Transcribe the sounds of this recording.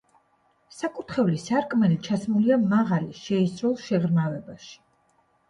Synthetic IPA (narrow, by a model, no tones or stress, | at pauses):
sakʼut̪ʰχɛvlisaɾkʼmɛnit͡ʃʰasmuliamaʁaliʃɛisɾɔlˠʃɛʁɾmavɛbaʃi̥